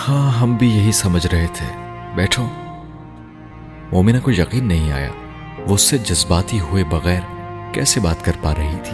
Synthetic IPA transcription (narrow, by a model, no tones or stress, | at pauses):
hãːɦɐmbʱijɐɦisɐməd͡ʒʱɾɐɦet̪ʰeːbɛːʈʰoː | moːmɪnakojɐqiːnːɐɦĩa̰ːja̰ː | ʋoʊsːed͡ʒɐzbaːt̪iɦuebɐɣɛːɾkɛːsebaːt̪kɐɾpaɾɐɦit̪ʰi̥ː